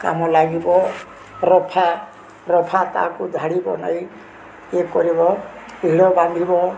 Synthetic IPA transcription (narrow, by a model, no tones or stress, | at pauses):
ka̰mɔlaɡibɔ | ɾɔpʰa | ɾɔpʰat̪a̰kud̪ʱaɽibɔ̰na̰j | ekɔɾibɔiɽɔbamb̪ʱibɔ